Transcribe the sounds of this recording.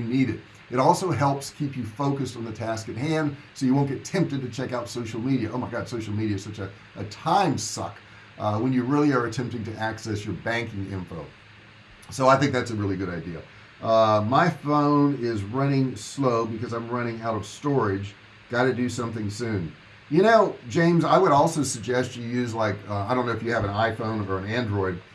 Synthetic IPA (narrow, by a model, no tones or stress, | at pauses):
ɨniɾɨɾ | ɨɾɔlˠsoʊɦɛlˠpskʰipjɨfoʊkɨstn̩ðɨtʰæskɨt̚ɦæ̃nd̥ | soʊjɨwõʊ̃nɡ̥ɛtʰɛ̃mp̚tɨd̚tɨt͡ʃʰɛkaʊtsoʊʃl̩ˠmiɾiɨʔoʊmaɪɡɑd̥soʊʃl̩ˠmiɾiɨ̥sʌt͡ʃɨ | ʔətʰãɪ̃msʌ̰k | wə̃njɨɹɪlˠiə˞ɨtʰɛ̃mp̚tɪ̃ŋtɨʔæksɛsjə˞bæ̃ŋkɪ̃ŋɪ̰̃ɱfoʊ | soʊaɪθɪ̃ŋk̚ðætsɨɹɪlˠiɡʊɾaɪdiɨ̰ | ʌmaɪfõʊ̃nɪzɹʌñɪ̃ŋsloʊbɨkʌzãɪ̃mɹʌɾ̃ɪ̃ŋaʊɾʌv̥stɔɹɪd͡ʒ | ɡ̥ɑɾɨdɨsʌ̃mθɪ̃ŋsʉ̃n | jɨnoʊ̥d͡ʒẽɪ̃mzaɪwəɾɔlˠsoʊsɨɡ̚d͡ʒɛst͡ʃɨjʉzlaɪkaɪɾõʊ̃nːoʊɨfjɨːvɨ̃naɪfõʊ̃nə˞ɨ̃næ̃ndɹɔɪd̥̚